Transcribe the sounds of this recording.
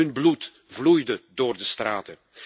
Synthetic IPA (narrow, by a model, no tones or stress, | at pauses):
ɵnblut | vlujdədoːrdəstraːtə